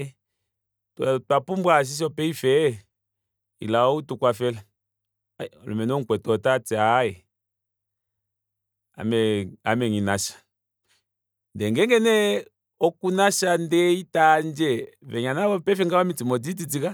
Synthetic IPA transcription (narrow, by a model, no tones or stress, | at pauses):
ttwapumbwas̬is̬ɔpɛifɛ | ḭlaɔutukwafɛla | ɔlɔ̰mɛnɔŋ̩kwɛtɔtatiajɛ | a̰mɛa̰mɛŋinaʃḁ | ndɛŋɡɛŋɡɛnɛ | ɔkunaʃandɛitand͡ʒɛvɛɲanaβɔpɛfɛŋɡawamitimɔdititika